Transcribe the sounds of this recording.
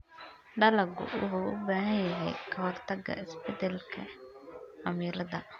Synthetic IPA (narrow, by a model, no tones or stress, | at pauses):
ɖɐlɐɡʊ̰wʊ̰huʔʊ̰baːɦɐnjɐɦɛjkʰɐwɔrt̪ʰɐɡɐ̰ɪsbɛd̪ɛlkʰɐ̰ | ʔɐmiːɾɐðɐ